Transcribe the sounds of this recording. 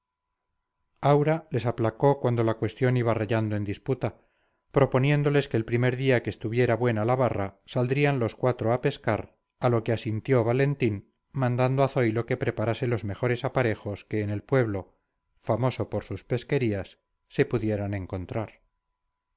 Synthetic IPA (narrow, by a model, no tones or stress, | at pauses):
awɾale̞saplako̞kwand̪o̞lakwe̞st̪jo̞niβareʝand̪oe̞nd̪isput̪a | pɾo̞po̞nje̞nd̪o̞le̞ske̞ːlpɾime̞ɾðiakeːst̪uβje̞ɾaβwe̞nalaβarasald̪ɾianlo̞skwat̪ɾoape̞skaɾ | alokeasint̪jo̞βale̞nt̪in | mãnd̪and̪oaθo̞jlo̞ke̞pɾe̞paɾase̞lo̞zme̞xo̞ɾe̞sapaɾe̞xo̞ske̞ːne̞lpwe̞βlo̞ | famo̞so̞poɾsuspe̞ske̞ɾiasː | e̞puðje̞ɾanẽ̞ŋko̞nt̪ɾaɾ